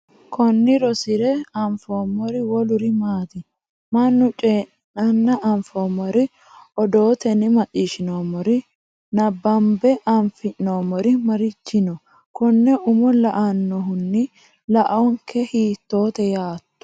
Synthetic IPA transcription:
kɔnːɪɾɔsɪɾɛɐɱfoːmɔɾɪwɔlʊɾɪmaːt̪ɪ | mɐnːʊt͡ʃʼeːʔ | ɐnːɐʔɐɱfoːmɔɾɪ | ɔd̪o̞ːt̪ɛnɪmɐt͡ʃʼːiːʃɪnoːmɔɾɪ | nɐbːɐmbɛʔɐɱfɪnoːmɔɾɪmɐɾɪt͡ʃːɪnɔ | kɔnːɛʔʊmɔlɐʔanːɔɦʊnːɪ | lɐʔɐwɔŋkʰɛhiːt̪ːo̞ːt̪ɛjaːt̪ːɔ̥

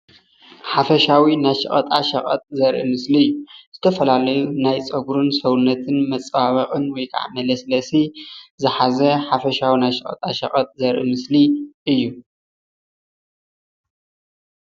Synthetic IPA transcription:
ħafɐʃawinajʃɐ̰χʼɐt̪ʼaʃɐχʼɐ̰t̪ʼzɐɾʔimɨsliɨjːuz̥ɨt̪ʰɐfɐlalɐjunajt͡sʼɐɡɾɨnsɐwunːɐt̪ʰɨnmɐt͡sʼwaβɐqʼɨnwɔjkʰa̰ʕmɐlɐslɐsizɨħazɐħafɐʃawinajʃɨχʼɐ̰t̪ʼaʃɐ̰χʼɐt̪ʼzɐɾʔɨmɨsliʔɨjːu

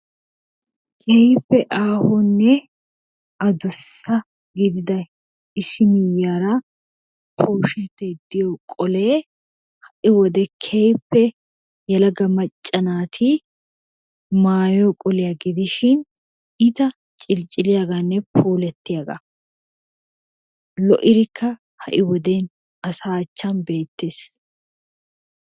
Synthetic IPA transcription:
kʼɛjpːɛʔaːhɔnːɛ | ɐd̪ʊsːɐ | ɡɪd̪ɪd̪ɐ | ɪsɪmɪjːaːɾɐ | pʰoːʃɛt̪ːed̪ɪjokʼɔleː | hɐʔɪwɔd̪ɛkʰɛjpːɛ | jɐlɐɡɐmɐt͡ʃʼːɐnaːt̪ʰɪ | maːjoːkʼɔlɪjɐɡɪd̪ɪʃɪn | ɪt̪ɐ | t͡ʃʼɪlt͡ʃʼɪlɪjaɡanːɛpʰoːlɛt̪ːɪjaːɡɐ̰ | lɔʔɪɾɪkʰːɐ | hɐ̰ʔɪwɔd̪eːn | ɐsaːt͡ʃːɐnbe̞ːt̪ːe̞ːs

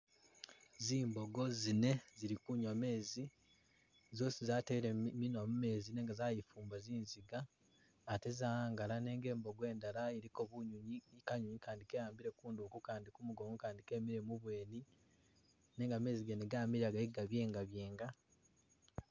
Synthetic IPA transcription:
ziːmbo̞ɡo̞zine̞ziɾikuɲwame̞ːzi | zo̞ːsizaːteɾeminwamume̞ːzine̞ːŋɡazaːjifuːmbaziːnziɡaː | te̞zaaːŋɡalane̞ːŋɡe̞ːmbo̞ɡwe̞ːndalaeɾiko̞βuɲuɲikaɲuɲikaːndikejaːmbiɾe̞kuːndukukaːndikumuɡomukaːndike̞miɾemuβwe̞ːni | ne̞ːŋɡame̞ːziɡeneɡaːmiɾaɡaiɡaβje̞ːŋɡaβje̞ːŋɡa

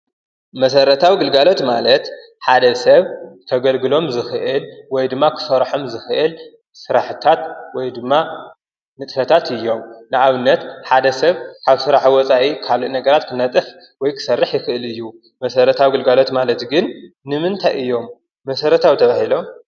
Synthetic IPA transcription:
mɐsɐɾɐt̪ʰawiɡɨlɡalo̞t̪malɐt̪ | ħad̪ɐsɐβt̪ʰɐɡɐlɡɨlo̞mzɨxɨʔɨlwɔjd̪ɨmːakʰɨ̥sɐɾħo̞mzɨxɨʔɨl | sɨɾaħɨt̪ʰat̪wɔjd̪ɨmːa | nɨt̪ʼfɐt̪ʰat̪ɨjːo̞mnɨʔaβɨnːɐt̪ħad̪ɐsɐβkʰaβsɨɾaħwɔt͡sʼaʔikʰaloʔnɐɡɐɾat̪kʰɨnɐt̪ʼɨf | wɔjkʰɨ̥sɐrːɨħjɪxɨʔɨlɨjːu | mɐsɐɾɐt̪ʰawiɡɨlɡalo̞t̪malɐt̪ɡɨnː | ɨmɨnt̪ʰajʔɨjːo̞mː | ɐsɐɾɐt̪ʰawt̪ʰɐβahilo̞m

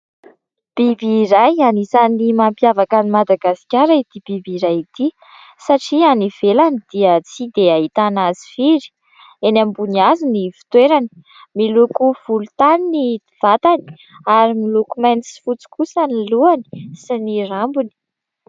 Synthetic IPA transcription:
b̥ibiːɾajanizanimampjavakanimad̪aɡasi̥kʲaɾait̪ib̥ibiɾajit̪i | saʈ͡ʂianiv̥elanid̪̥iət͡sid̪eaɦit̪anazi̥fiɾi̥ | enambuniazinifi̥t̪weɾani̥ | milukuv̥ulut̪anini | v̥at̪ani̥ | aɾimilukumajnisi̥fut͡si̥kusaniluani̥sinirambuni̥

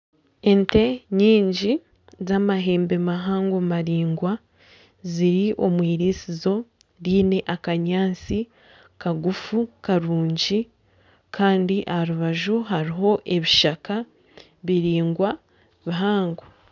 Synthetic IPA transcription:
e̞nte̞ɲiːɲɟi | zamaɦe̞ːmbe̞maɦaːŋɡomaɾiːŋɡwa | ziɾiʔo̞mwiːɾisizo̞ | ɾiːne̞ʔakaɲaːnt͡si | kaɡufukaɾuːɲɟi | kʰaːndiʔahaɾuβaʒuɦaɾiɦo̞ʔe̞βiʃaka | βiɾiːŋɡwa | βiɦaːŋɡo

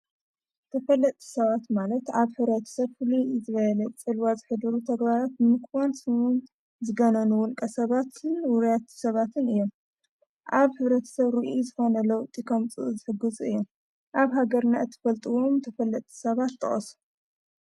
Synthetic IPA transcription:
t̪ʰɐfɐlːɐt̪ʼʰːi̥sɐβat̪malɐt̪aβħɨβɾɐt̪ʰɐ̥sɐβfɨluzɨβɐlɐt͡sʼɨlwazɨħɨd̪ɨɾut̪ʰɐɡβaɾat̪̚nɨmɨkwansɨun | zɨɡɐnɐnuwʊlkʼɐsɐβat̪ʰɨnwʊɾjat̪sɐβat̪ʰɨnɨjːo̞m | ʔaβħɨβɾɐt̪ʰɐ̥sɐβɾɨʔuzɨxo̞nɐlɐwt̪ʼikʰɐmt͡sʼɨ̰zɨħɨɡɨzuɨjːom | ʔaβɦaɡɐɾnaɨt̪ʰːɨ̥fɐlt̪ʼɨwo̞mt̪ʰɐfɐlːɐt̪ʼːi̥sɐβat̪ʰːɐ̰χʼɐ̰su̥

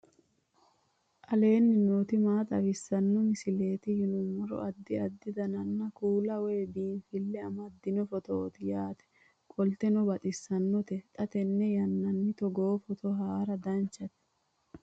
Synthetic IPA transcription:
ʔɐle̞ːnːɪnoːt̪ɪmaːt̪ʼɐwɪsːɐnːɔmɪsɪle̞ːt̪ɪjɪnʊmɐɾɔ̰ʔɐd̪ːɪɐd̪ːɪd̪ɐnɐnːɐkuːlɐwɛjːbiːnfɪlːɛɐmɐd̪ːɪnɔfɔt̪oːt̪ɪjaːt̪ɛ̥ | kʼɔlt̪ɛnɔbɐt̪ʼɪsːɐnːɔt̪ɛt̪ʼɐt̪ɛnːɛjɐnːɐnːɪt̪ɔɡoːfɔt̪ʰɔɦaːɾɐd̪ɐnt͡ʃːɐt̪ɛ̥

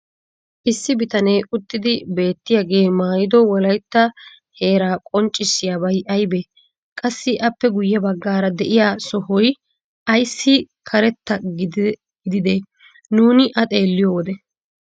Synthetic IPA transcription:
ʔɪsːɪbɪt̪ɐnejʔʊt̪ːɪd̪ɪbe̞ːt̪ːɪjaɡe̞ːmaːjɪd̪ɔwɔlɐjt̪ːɐ | he̞ːɾaːkʼɔnt͡ʃʼːɪsːɪjaːbɐjʔɐjbe | kʼɐsːɪʔɐpːɛɡʊjːɛbɐɡːaːɾɐd̪ɛʔɪjaːsɔhɔj | ʔɐjsːɪkʰɐɾɛt̪ːɐɡɪ | ɪd̪ɪd̪e | nuːnɪʔɐt̪ʼe̞ːlːɪjoːwɔd̪ɛ

